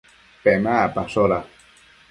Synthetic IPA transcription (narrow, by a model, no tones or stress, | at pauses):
pemapasoɾa